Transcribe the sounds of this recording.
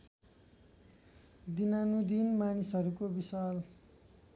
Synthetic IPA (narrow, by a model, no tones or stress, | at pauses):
d̪inanud̪inmanisʌɾukobisal